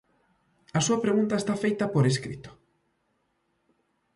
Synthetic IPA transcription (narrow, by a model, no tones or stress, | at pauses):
ɐsuɐpɾeɣunt̪ɐest̪afejt̪ɐpoɾeskɾḭt̪ʊ̥